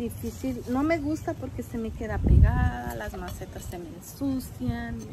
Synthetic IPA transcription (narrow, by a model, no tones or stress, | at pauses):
d̪ifisilno̞me̞ɣust̪apoɾkeseme̞ke̞ðapeɣaða̰lazmaset̪asːemensusjan